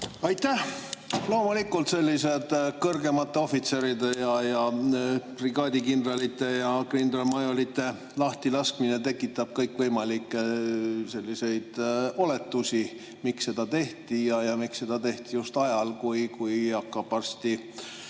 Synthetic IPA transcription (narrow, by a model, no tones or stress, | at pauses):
ɑjt̪ːæ | lo̞ːmulikːˑult̪se̞lʲːise̞d̪̥kɤrɡe̞mɑt̪ːeo̞fit̪seɾid̪e̞jɑjɑ | priɡ̥ɑːd̪ikind̪rɑlit̪ːˑe̞jɑkrind̪ɾɑlmɑjo̞lit̪ːˑe̞ | lɑht̪ilɑskmine̞t̪e̞kːˑit̪ːˑɑb̥̚kɤjkvɤjmɑlikːˑese̞lʲːise̞jd̪̥o̞le̞t̪ːusʲi | miksːe̞d̪̥ɑt̪e̞ht̪ijɑjɑmiksːe̞d̪̥ɑt̪e̞ht̪ijust̪ɑjɑlkujkujɑkːɑb̥ɑrst̪i